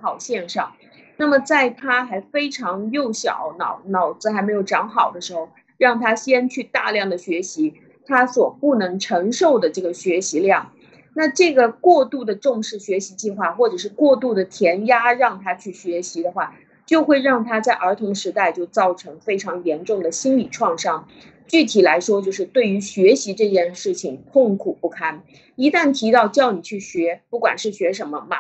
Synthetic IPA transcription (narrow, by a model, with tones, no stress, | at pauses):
xɑ˨˩ʊɕjɛ˥˧nʂɑ˥˩ŋ | na˥˩mə˩t͡sa˥˩ɪt̪ʰa˥xa˧˥ɪfe˥ɪʈ͡ʂʰɑ˧˥ŋjo˥˩ʊɕjɑ̰˨˩˦ʊnɑ˨˩˦ʊnɑ˨˩ʊt͡sɹ̩˥xa˧˥me˧˥ɪjo˨˩ʊʈ͡ʂɑ˧˥ŋxɑ˨˩ʊd̪ə˦ʂɻ̩˧˥xo˥˧ʊ | ɻɑ˥˩ŋt̪ʰa˥ɕjɛ˥nt͡ɕʰy˥˧t̪a̰˥˧ljɑ˥˩ŋd̪ə˩ɕɥɛ˧˥ɕi˧˥ | t̪ʰa˥swɔ˨˩pu˥˩nɤ˧˥ŋʈ͡ʂʰɤ˧˥ŋʂo˥˩ʊd̪ə˩ʈ͡ʂɤ˥˩ɡə˩ɕɥɛ˧˥ɕi˧˥ljɑ˥˩ŋ | na˥˧ʈ͡ʂɤ˥˩ɡə˩kwɔ˥˧t̪u˥˩d̪ə˩ʈ͡ʂʊ˥˧ŋʂɻ̩˥˩ɕɥɛ˧˥ɕi˧˥t͡ɕi˥˧xwa˥˩xwɔ˥˩ʈ͡ʂɤ˨˩ʂ̬ɻ̩˥˧kwɔ˥˧t̪u˥˩d̪ə˩t̪ʰjɛ˧˥nja˥ɻɑ˥˩ŋt̪ʰa˥t͡ɕʰy˥˩ɕɥɛ˧˥ɕi˧˥d̪ə˧xwa˥˩ | t͡ɕjo˥˧ʊxwe˥˧ɪɻɑ˥˩ŋt̪ʰa˥t͡sa˥˩ɪʔə˞˧˥t̪ʰʊ˧˥ŋʂɻ̩˧˥t̪a˥˧ɪt͡ɕjo˥˧ʊt͡sɑ˥˩ʊʈ͡ʂʰɤ˧˥ŋfe˥ɪʈ͡ʂʰɑ˧˥ŋjɛ˧˥nʈ͡ʂʊ˥˩ŋd̪ə˩ɕi˥nli˨˩ʈ͡ʂʰwɑ˥˧ŋʂɑ˥ŋ | t͡ɕy˥˩t̪ʰi˨˩la˧˥ɪʂwɔ˥t͡ɕjo˥˧ʊʂ̬ɻ̩˥˧t̪we˥˩ɪy˧˥ɕɥɛ˧˥ɕi˧˥ʈ͡ʂɤ˥˧t͡ɕjɛ˥˧nʂɻ̩˥˩t͡ɕʰi˨˩ŋt̪ʰʊ˥˧ŋkʰu˨˩pu˥˩kʰa˥n | i˧˥t̪a˥˩nt̪ʰi˧˥t̪ɑ˥˧ʊt͡ɕjɑ˥˩ʊni˨˩t͡ɕʰy˥˩ɕɥɛ˧˥pu˥˩kwa̰˨˩nʂɻ̩˥˩ɕɥɛ˧˥ʂə˧˥nmə˧mɐ̰˧